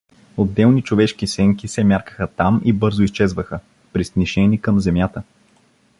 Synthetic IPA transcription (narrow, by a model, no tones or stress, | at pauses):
od̪ːɛlˠnit͡ʃovɛʃkisɛŋkisɛmʲjaɾkə̥xət̪amibɤɾzʊist͡ʃɛzvəxə | pɾisniʃɛnikəmzɛmjat̪ə